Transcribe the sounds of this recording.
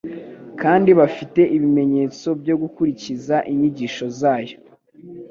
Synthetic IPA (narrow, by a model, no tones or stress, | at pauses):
kaːndiβafite̞ʔiβime̞ɲe̞ːt͡so̞bɟo̞ɡukuɾicizaʔiɲiɟiːʃo̞zaːjo̞